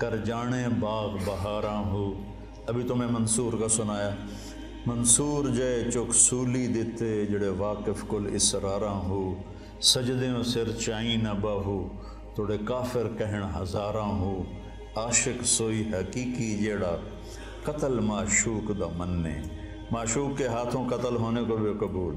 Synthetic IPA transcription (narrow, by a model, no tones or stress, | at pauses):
kɐɾd͡ʒaːɽ̃ẽːbaːɣbɐɦaːɾãːɦuː | ɐbʱit̪omẽmɐnsuːɾkasʊnaːjaː | mɐnsuːɾd͡ʒɐet͡ʃʊksuːlid̪ɪt̪ʰed͡ʒɐɽeʋaːkɪfkʊlɪsɾaːɾãːɦuː | sɐd͡ʒd̪ejõːsɪɾt͡ʃaːĩnɐbaːɦuː | t̪ʰoːɽekaːfɪɾkɐɦɪɽ̃ɦɐzaːɾãːɦuː | aːʃɪksoːiːɦɐkiːkid͡ʒeːɽaː | kɐt̪əlmaːʃuːkd̪aːmɐnːḛ̃ː | maːʃuːkːeɦaːt̪ʰõkɐt̪əlɦoːnekoːbɪjokɐbuːl